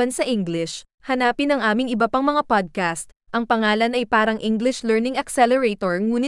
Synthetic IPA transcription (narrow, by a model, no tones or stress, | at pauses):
ɐnsɐʔiŋɡlɪʃ | hɐnaːpɪnɐŋʔaːmɪŋɪbɐpaŋmɐŋapod̪̚kast̪̚ | ʔɐŋpɐŋaːlɐnɐjpaːɾɐŋʔɪŋɡlɪʃlɛɹnɪŋɐksɛlɛɹet̪oɹŋuːnɪ